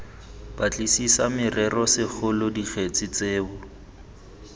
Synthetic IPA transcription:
bat͡ɬʼisisamɪrɛrɔsɪk͡xʰʊlʊdik͡xʰet͡sɪt͡seːbʊ

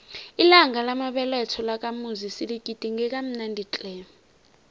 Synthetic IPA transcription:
ilaŋʱalamaɓɛlɛtʰɔlak̬ʼamuzisiliɡ̥ʱid̥ʱiŋɛk̬ʼam̩nandʱit͡ɬʼɛː

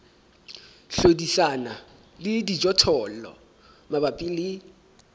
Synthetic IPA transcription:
ɬodisana | lɪdid͡ʒɔtʰɔlɔ̰ | mabapʼɪlɪ

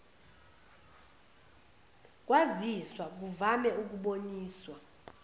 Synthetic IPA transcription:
k̬ʼwaziswak̬uvamɛʔuk̬uɓoɲiːswa

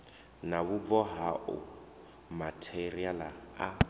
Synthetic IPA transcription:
naβʊvɔɦaʔʊ̰ | matʰerialaa

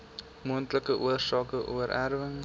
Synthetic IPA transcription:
muəntləkəʔuərsɑːkəʔṵəɾʔærvəŋ

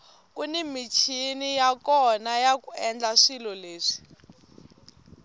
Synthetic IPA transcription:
kunimit͡ʃʰinijakɔnajakuɛnd͡ɮaʂilɔleːʂi̥

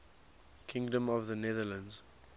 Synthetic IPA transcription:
kʰɪ̃ŋdə̃mɔvðənɛðələ̃ndz̥

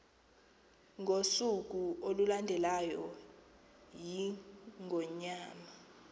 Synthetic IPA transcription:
ŋʱosuk̬uolulandʱɛlajɔ | jiŋʱɔɲaːma

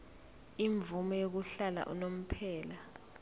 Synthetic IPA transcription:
iɱb̪vumɔjok̬uɬala̰ʔṵnom̩pʰɛːla

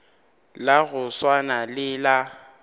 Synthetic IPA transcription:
laɣʊswanalɪla

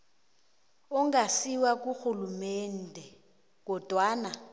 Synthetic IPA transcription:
ʊŋɡasiwak̬ʼuxulumɛn̩dʱɛ | k̬ʼɔd̥ʱwaːna

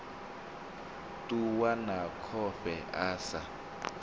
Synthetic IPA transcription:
tʼuwanakʰɔɸɛʔaːsa

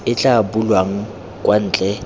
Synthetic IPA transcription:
ɪt͡ɬʼabʊlwaŋ̩ | kʼwan̩ːt͡ɬʼɛ

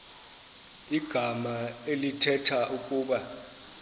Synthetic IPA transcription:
iɡ̥ʱamaelitʰɛtʰaʔukʼuːɓa

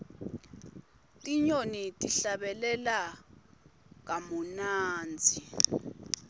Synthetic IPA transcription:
tʼiɲonitʼiɬaɓɛlɛla | k̬amunaːnd͡zʱi

